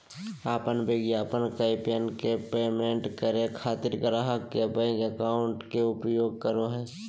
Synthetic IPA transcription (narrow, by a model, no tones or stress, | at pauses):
aːpənbeːɡiaːpənkaɪpjənkepeːmẽɳʈkəɾekʰaːt̪ɪɾkəɾaɦakːebəɡəkaːʊɳʈkeʊpjoːɡ̚kəɾoɦɛː